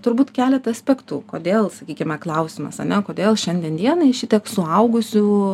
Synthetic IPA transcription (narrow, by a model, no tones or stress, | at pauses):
t̪ʊɾbuːt̪kʲæːlʲɛt̪ɐɐsʲpʲæːkt̪uːkoːd̪ʲeːlˠsɐkʲiːkʲɪmʲɛklˠɐʊsʲɪmɐ̰sɐ̰nʲɛkoːd̪ʲeːlˠʃʲɛnʲd̪ʲɛnd̪ʲiɛnɐɪʃʲɪt̪ʲiɛksʊɐʊɡʊsʲʊ